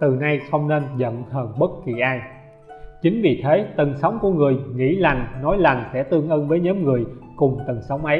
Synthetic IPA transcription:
t̪ɨ˨˩na˧jxə˧wŋ͡mne˧nzə̰˧˨nhəː˧˩nɓə˦˥t̚ki˧˩ʔaː˧j | t͡ɕï˨˦ŋ̟vḭ˧˨˩t̪ʰe˨˦t̪ə˨˩ŋsa˨˦wŋ͡mku˧˩əŋɨ˨˩əjŋḭ˧˥la˨˩jŋ̟nɔ˨˦jla˨˩jŋ̟sɛ̰˧˥t̪ɨ˧əŋʔəː˧nvəː˨˦jɲə˨˦mŋɨ˨˩əjkʊ˨˩ŋ͡mt̪ə˨˩ŋsa˨˦wŋ͡mʔə˨˦j

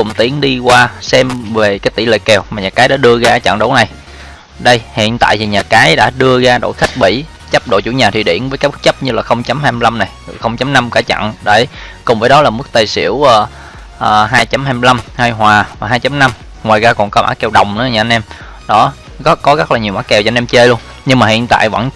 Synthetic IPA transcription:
kʊ˨˩ŋ͡mt̪i˨˦əŋɗi˧kwaː˧sɛ˧mve˨˩kaː˨˦jt̪ḭ˧˩lḛ˧˨kɛ˨˩wmaː˨˩ɲaː˨˩kaː˨˦jɗa̰ː˧˥ɗɨ˧əɣaː˧˦t͡ɕa̰˧˨ŋɗo˨˦wna˨˩j | ɗə˧jhḭ˧˨ənt̪a̰ː˧˨jt̪ʰi˨˩ɲaː˨˩kaː˨˦jɗa̰ː˧˥ɗɨ˧əɣaː˧ɗo̰˧˨jxa˦˥k̟̚ɓḭ˧˩ | t͡ɕə˦˥p̚ɗo̰˧˨jt͡ɕu˧˩˦ɲaː˨˩i˨˩ɗḭ˧˩ənvəː˨˦jkaː˦˥kt͡ɕə˦˥p̚ɲɨ˧laː˨˩xə˧wŋ͡mt͡ɕa˨˦mhaː˧jm˧la˧mna˨˩jxə˧wŋ͡mt͡ɕa˨˦mna˧mkaː˧˩t͡ɕa̰˧˨nɗə˧˩kʊ˨˩ŋ͡mvəː˨˦jɗɔ˨˦laː˨˩mɨ˦˥k̚t̪ə˨˧˩jsḭ˧˥əwʔəː˨˩ | ʔəː˨˩ɦaː˧jt͡ɕa˨˦mhaː˧jm˧la˧mha˧jɦwaː˨˩vaː˨˩ɦaː˧jt͡ɕa˨˦mna˧m | ŋwaː˨˩jɣaː˧kɔ˨˩nkɔ˨˦ma̰ː˧˥kɛ˨˩wɗə˨˩wŋ͡mʔɨ̰˧˦˧ɲaː˨˩ʔnʔɛ˧m | ɗɔ˨˦ | ɣkɔ˨˦ɣə˦˥k̚laː˨˩ɲi˨˩əwmaː˨˦kːɛ˨˩wɲaː˨˧nʔɛ˧mt͡ɕe˧lu˧ən | ɲɨ˧ŋmaː˨˩hḭ˧˨ənt̪a̰ː˧˨jvə̰˧˥n

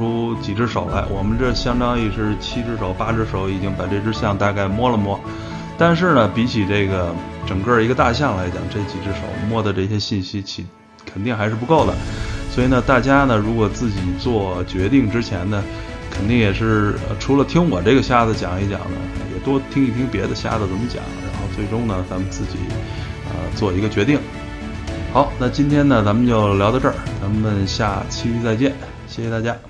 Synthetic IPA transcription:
u˥t͡ɕi˨˩ʈ͡ʂɻ̩˥ʂo˨˩ʊla˧˥ɪwɔ˨˩mə˦nʈ͡ʂə˥˩ɕjɑ˥ŋt̪ɑ˥ŋi˥˩ʈ͡ʂɻ̩˥˩t͡ɕʰi˥ʈ͡ʂɻ̩˥ʂo˨˧˩ʊpa˥ʈ͡ʂɻ̩˥ʂʊi˨˩t͡ɕi˥ŋpa˨˩ʈ͡ʂe˥˩ʈ͡ʂɻ̩˥˧ɕjɑ˥˧ŋt̪a˥˧ka˥˩ɪmwɔ˥lə˨mwɔ˥ | t̪a˥˧nʂ̬ɻ̩˥˩nə˩pi˧˥t͡ɕʰi˨˩ʈ͡ʂe˥˩ɪɡə˩ | ʈ͡ʂɤ˨˩ŋkə˞˥˩i˧˥ɡə˧t̪a˥˧ɕjɑ˥˩ŋla˧˥ɪt͡ɕjɑ̰˨˩ŋʈ͡ʂe˥˩t͡ɕi˨˩ʈ͡ʂɻ̩˥ʂo̰˨˩˦ʊmwɔ˥˩d̪ə˨˩ʈ͡ʂɤ˥˩ɕjɛ˥ɕi˥˩nɕi˥t͡ɕʰi˧˩ | kʰə˨˩nt̪i˥˩ŋxa˧˥ɪʂɻ̩˥˩pu˧˥ko˥˩ʊd̪ə̰˩swɔ˧˥i˨˩nə˥˧t̪a˥˩t͡ɕja˥nə˨ɻu˧˥kwɔ˨˩t͡sɹ̩˥˩t͡ɕi˨˩t͡swɔ˥˩t͡ɕɥɛ˧˥t̪i˥˩ŋʈ͡ʂɻ̩˥t͡ɕʰjɛ˧˥nnə˨ | kʰə˨˩nt̪i˥˩ŋjɛ˨˩ʂɻ̩˥˩ə̰˧˩ʈ͡ʂʰu˧˥lə˧t̪ʰi˥ŋwɔ˨˩ʈ͡ʂɤ˥˩ɡə˩ɕja˥d͡z̩˨˩t͡ɕjɑ̰˨˩ŋi˧˥t͡ɕjɑ̰˨˩ŋnə̰˦˧jɛ̰˨˩t̪wɔ˥t̪ʰi˥ŋi˥˩pʰi˧˥ŋpjɛ˧˥d̪ə˧ɕja̰˥d͡zə˨˩t͡sə˧˥mə˧˦t͡ɕjɑ̰˨˩˦ŋɻa˧˥nxo˥˧ʊt͡swe˥˩ɪʈ͡ʂʊ˥ŋnə˨t͡sʰa˧˥mə˨nt͡sɹ̩˥˩t͡ɕḭ˨˩˦ | ə̰˧t͡swɔ˥˩i˧˥ɡə˧t͡ɕɥɛ˧˥t̪i˥˩ŋ | xɑ˧˥ʊna˥˩t͡ɕi˥nt̪ʰjɛ˥nnə˨t͡sa˧˥mə˧˨nt͡ɕjo˥˩ʊljɑ˧˥ʊd̪ə˧ʈ͡ʂə˥˩t͡sa˧˥mə˨nɕja˥˩t͡ɕʰi˥t͡sa˥˧ɪt͡ɕjɛ˥˩n | ɕjɛ˥˩xjɛ˧˥t̪a˥˩t͡ɕja˥

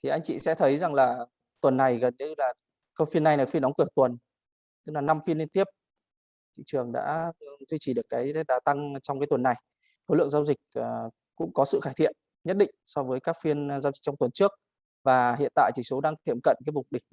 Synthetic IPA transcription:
t̪ʰi˨˩ʔa˧jŋ̟t͡ɕḭ˧˨sɛ̰˧˥t̪ʰə˨˦jza˨˩ŋlaː˨˩ | t̪wə˨˩nːa˨˩jɣə˨˩nɲɨ˧˦laː˨˩ | kə˧wfi˧ənːa˨˩jn˨˩fn˨˦ŋkɨ˧˩ət̪wə˨˩n | t̪ɨ˦˥k̚laː˨˩na˧mfi˧ənli˧nt̪i˦˥əp̚ | t̪ʰḭ˧˨t͡ɕɨ˨˩əŋɗa̰ː˧˥t̪ʰwi˧t͡ɕi˧˩ɗɨ˨˩əkːaː˨˦jɗaː˨˩t̪a˧ŋt͡ɕɔ˧ŋ͡mkaː˨˦jt̪wə˨˩na˨˩j | so˨˦lɨ̰˧˨əŋzaː˧wzï˨˩k̟̚ː | kʊ̰˧˥ŋ͡mkɔ˨˦sɨ̰˧˨xaː˧˩t̪ʰḭ˧˨ən | ɲə˦˥t̚ɗḭ˧˨ŋ̟sɔ˧vəː˨˦jkaː˦˥k̚fi˧ənzaː˧wzi̟˨˩t͡ɕɔ˧ŋ͡mt̪wə˨˩nt͡ɕɨ˦˥ək̚ | vaː˨˩hḭ˧˨ənt̪a̰ː˧˨jt͡ɕi˨˧˩so˨˦ɗaː˧ŋt̪ʰi˧˩əmkə̰˧˨nkaː˨˦jvʊ˨˩ŋ͡mɗï˨˩ŋ̚

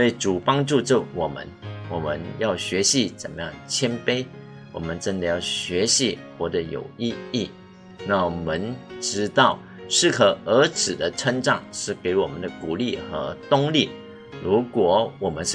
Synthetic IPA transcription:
e˥˩ɪʈ͡ʂu˨˩pɑ˥ŋʈ͡ʂu˥˧ʈ͡ʂo˥˩wɔ˨˩mə̰˦nwɔ˨˩mə̰˦njɑ˥˩ʊɕɥɛ˧˥ɕi˧˥t͡sə˨˩nmə˦jɑ̰˥˩ŋt͡ɕʰjɛ˥npe˥ɪ | wɔ̰˨˩mə˦nʈ͡ʂə˥nd̪ə˨jɑ˥˩ʊɕɥɛ˧˥ɕi˧˥xwɔ˥˩d̪ə˧˦jo̰˨˩ʊi˥˧i˥˩ | na˥˩wmə˧˦nʈ͡ʂɻ̩˥t̪ɑ˥˩ʊ | ʂɻ̩˥˩kʰə˨˩ə˧˥t͡sʰɻ̩˨˩d̪ə˦ʈ͡ʂʰə˥ŋʈ͡ʂɑ˥˨˩ŋʂɻ̩˥˩ke˧˥ɪwɔ˨˩mə˦nd̪ə˧˦ku˨˩li˥˩xə̰˧˥t̪ʊ˥ŋli˥˩ | ɻu˧˥kwɔ˨˩wɔ˨˩mə˦nʂ

